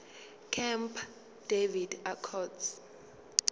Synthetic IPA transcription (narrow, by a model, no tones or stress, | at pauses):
kʰɛmpʰ | d̥evidakʰɔds